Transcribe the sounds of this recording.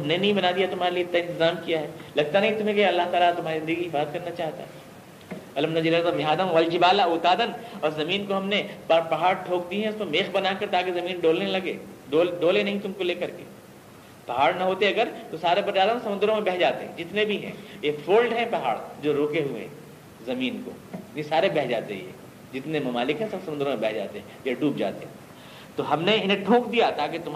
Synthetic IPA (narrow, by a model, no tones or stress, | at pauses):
ɐmnenɐɦĩbɐnaːd̪ijat̪ʊm̤aːɾelieɪt̪naɪ̃nt̪ɪzaːmkijaɦɛːlɐɡ̚t̪anɐɦĩt̪ʊmẽkeɐlːaɦt̪aːlat̪ʊm̤ɦaːɾizɪ̃nd̪əɡiɦɪfaːzəd̪kɐɾnat͡ʃaːɦt̪a̰ɦɛ | ɐlɐmnad͡ʒɪlɐzɐmɪɦaːd̪ãʋɐld͡ʒɪbaːlaʊːt̪aːd̪ənɔːɾzɐmiːnkoɦɐmnebaɾpɐɦaːɾʈʰoːk̚d̪iɦɛ̃ʊsmemeːxbɐnaːkɐɾt̪aːkezɐmiːnɖoːlnelɐɡḛː | ɖoːlɖoːlenɐɦĩt̪ʊmkoleːkɐɾkḛː | pɐɦaːɽnɐɦoːt̪eɐɡəɾt̪osaːɾebɐɾd͡ʒaːlamesɐmʊ̃nd̪əɾõmẽbɛɦd͡ʒaːt̪eɦɛ̰̃d͡ʒɪt̪nẽbʱiɦɛ̰̃ːjefʰoːlɖɦɛ̃pɐɦa̰ːɽd͡ʒoːɾoːkeɦuḛ | zɐmiːnko̰ːisaːɾebɛɦd͡ʒa̰ːt̪ḛjɛ̰ː | d͡ʒɪt̪nemɐmaːlɪkɦɛ̃sɐbsɐmʊnd̪ɾõmẽbɛɦd͡ʒa̰ːt̪eɦɛ̃jaɖuːp̚d͡ʒa̰ːt̪eɦɛ̃ | t̪oɦɐmneɪnẽɖʱũːk̚d̪ijat̪aːket̪ʊm